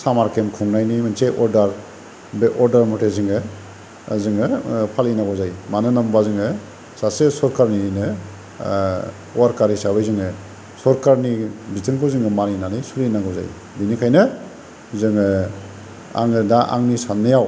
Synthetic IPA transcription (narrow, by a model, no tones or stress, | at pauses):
samaɾkemkʰɔŋnajnimɯnseʔɔɾdaɾ | beʔɔɾdaɾmɔtʰezɯŋɯ | zɯŋɯpʰalinaɡɔzajmanɯnambazɯŋɯ | sasesɔɾkaɾninɯ | waɾkaɾisabɯjzɯŋɯ | sɔɾkaɾnibitɯŋkʰɔzɯŋɯmaɾinanɯjsulinaɡɔza̰j | binikʰajnɯ | zɯŋɯ | a̰ŋɯdaʔa̰ŋnisanːɯjaw